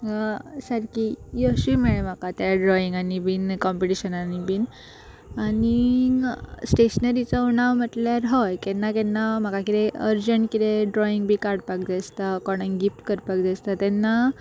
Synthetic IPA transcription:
səɾkijəɕʋimiɭem̤akat̪jaɖɾɔiŋɡanibinkɔmpiʈiɕənanibin | ani | sʈeɕənəɾit͡sɔunaʋm̤əʈ̪ljaɾɦɔjkɛnːakɛnːam̤akakit̪eəɾd͡ʑəɳʈkit̪eɖɾɔiŋɡbʱikaɾɽpak̚d͡zest̪akɔɽ̃ə̃nɡifʈ̪kəɾpakd͡zest̪at̪ɛnːa

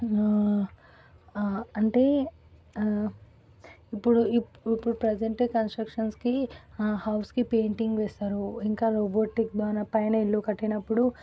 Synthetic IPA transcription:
ɐɳʈe̞ː | ipːuɽuiipːuɽupɾɐd͡ʒeɳʈekɐnsʈɾɐkʂɐnskihɐwskipe̞ːɳʈiŋɡʋɛːst̪aːɾuiŋkaːɾoːboːʈik̚d̪aːnɐpɐjnɐilːuːkɐʈːinɐpːuɽu

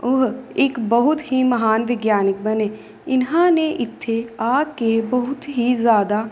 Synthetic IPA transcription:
oɦɪkbɐɦʊt̪ɦimɐɦaːnʋɪɡjaːnɪk̚bɐneː | ɪnɦãneʔɪt̪ʰːeaːkebɐɦʊt̪ɦizjaːd̪a

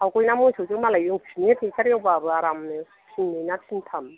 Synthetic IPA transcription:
awkojnamojsʰowzɯŋmalajɯŋpʰinitʰikaɾijawbabɯaɾamnɯ | pʰinːijnatʰintʰam

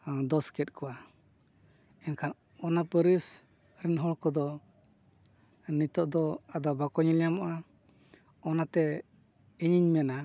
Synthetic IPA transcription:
d̪ɔskɛt̪̚ˀkʰɔa | ɛnkʰan | ɔnapəɾis | ɾɛnɦɔɭkɔd̪ɔ | nit̪ɔʔd̪ɔad̪ɔbakɔɲilɛjamɔʔa | ɔnat̪ɛ | iɲiɲmɛna

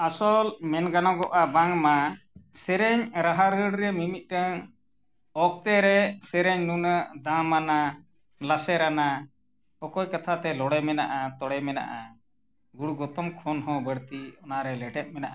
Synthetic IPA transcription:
asɔlmɛnɡanɔɡɔʔabaŋmasɛɾɛɲɾaɦaɾəɽɾɛmimit̪̚ˀʈəŋ | ɔk̚t̪ɛɾɛsɛɾɛɲnunəd̪ãmana | lasɛɾana | ɔkɔjkat̪ʰat̪ɛlɔɽɛmɛna̰ʔat̪ɔɽɛmɛna̰ʔa | ɡuɽɡɔt̪ɔmkʰɔnɦɔ̃bəɽt̪iɔnaɾɛlɛʈɛt̪̚mɛnaʔa

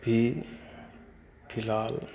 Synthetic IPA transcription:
bʱi | pʰilaːl

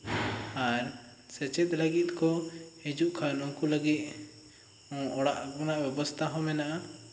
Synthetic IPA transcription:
aɾ | sɛt͡ʃɛt̪̚ləɡit̪̚ˀkɔhed͡ʒuʔkʰajɔnɔŋkuləɡit̪̚ | ɔ̃ɔɽaʔkɔnaʔbɛbɔst̪ʰaɦɔ̃mɛnaʔa

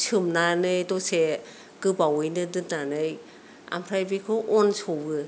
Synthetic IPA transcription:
sʰɯmnanɯjdɔse | ɡɯbawɯjnɯdɯnanɯj | a̰mpʰɾajbikʰɔʔɔnsobɯ

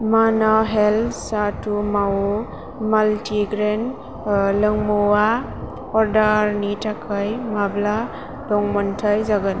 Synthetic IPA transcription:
manaɦelsatumawu | maltiɡɾen | lɯŋmuwa | ɔɾdaɾnitakʰajmabla | dɔŋmɔntʰajzaɡan

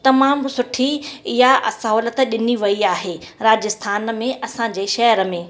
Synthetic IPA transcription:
t̪ɐmaːmsʊʈʰijaɐ̰sɐɦɔːlət̪ɗɪniʋɐiaːɦeː | ɾaːd͡ʑɪst̪ʰaːnmẽʔɐsãɲd͡ʑeːʃɐɦəɾəmẽː

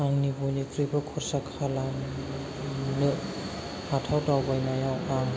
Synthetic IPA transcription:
aŋnibojnikɾibakʰɔɾsakʰalaŋ | nɯ | hatʰawtawbajnajawam

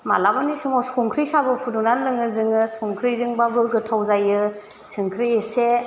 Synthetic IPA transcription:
malabanisumɔsɔŋkʰɾisabɯpʰudunanlɯŋɯzɯŋɯsɔŋkʰɾizɯŋbabɯɡɯtʰawzajɯ | sɯŋkʰɾiese

